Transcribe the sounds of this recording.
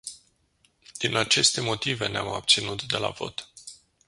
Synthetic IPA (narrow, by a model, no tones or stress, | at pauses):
d̪̥inat͡ʃe̞st̪e̞mo̞t̪ive̞neama̰b̥̚t̪sinut̪d̪e̞la̰vo̞t̪